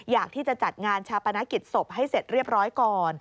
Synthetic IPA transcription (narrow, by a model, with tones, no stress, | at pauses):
jaː˨˩k̚t̪ʰiː˥˩t͡ɕa˨˩t͡ɕa˨˩t̪̚ŋaː˧nt͡ɕʰaː˧pa˧na˦˥ki˨˩t̪̚so˨˩p̚ɦa˥˩jse˨˩t̪̚ɾi˥˩əp̚ɾɔː˦˥jkɔː˨˧˩n